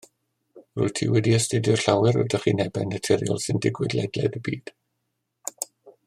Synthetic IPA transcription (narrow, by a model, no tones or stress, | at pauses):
rʊ̰jtʰḭwɛdiəstɪdjʊrɬawɛɾɔ̰daχḭnɛbɛnːətʰɪɾjɔ̰lˠsɪndɪɡwɪdlɛdlɛ̰ðəbiːd̥